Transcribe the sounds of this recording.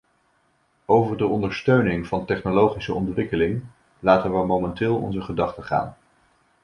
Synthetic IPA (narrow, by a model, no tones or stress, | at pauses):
owvəɹdəɔndəɹstøɥnɪŋv̥ɑntɛχnolowχisəɔntʋɪkəlɪŋ | laːtənʋəmowmɛntɪːlˠɔ̰nzəχədɑχtəχa̰ːn